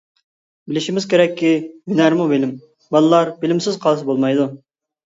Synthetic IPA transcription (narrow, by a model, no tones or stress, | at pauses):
bɪlɪʃimɪz̥kʲeɾɛkʲʰːijynæɾmubɪlɪm | bɑlˠɨlˠɑɾbɪlɪmsɪzqʰɑlˠɨs̬ɨbolˠmɑjd̪u